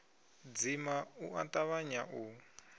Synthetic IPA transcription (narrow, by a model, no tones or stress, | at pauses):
d͡zimauʔa̰tʼaβaɲaʔu